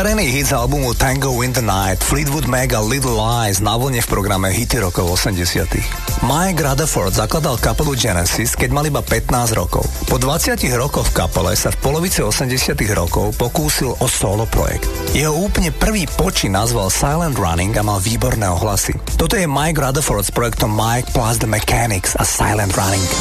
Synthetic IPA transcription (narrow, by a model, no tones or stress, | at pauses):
ɛɾɛjniːɦid̪zalbumult̪ɛŋɡɔwind̪ənaɪt̪flid̪ʋud̪mɛɡalit̪l̩ˠlajznaʋl̩ɲɛfpɾɔɡɾamɛɦit̪iɾɔkɔʊɔsɛmɟɛsɪa̰t̪ḭx | majɡɾad̪ɛfɔɾd̪zaklad̪alkapɛlud͡ʒɛnɛsiskɛɟmalibapɛt̪naːzɾɔkɔ̰ʊpɔd̪ʋat͡sɪaciɣɾɔkɔxfkapɛlɛ̰safpɔlɔʋit͡siɔsɛmɟɛsɪat̪iɣɾɔkɔʊpɔkuːsilʔɔsɔːlɔpɾɔ̰jɛ̰kt̪ | jɛɦɔuːplɲɛpr̩ʋiːpɔt͡ʃinːazʋalsajlɛnd̪ɾa̰niŋɡamalʋiːbɔɾnɛːɔɦlasḭt̪ɔt̪ɔjɛmajɡɾad̪ɛfɔɾt̪spɾɔjɛkt̪ɔmmajk̚plazd̪mɛkaniksa̰sa̰jlɛnd̪ɾaniŋk